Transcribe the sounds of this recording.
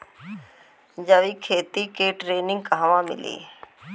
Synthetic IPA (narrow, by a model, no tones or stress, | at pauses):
d͡ʒəʋiːkʰeːt̪iːkeːʈɾeːnɪ̃ŋɡkəɦaʋãːmɪ̰lḭː